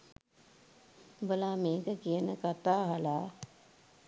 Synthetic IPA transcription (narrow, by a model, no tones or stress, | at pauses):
bəlaːmeːkəkiənəkat̪aːɦalaː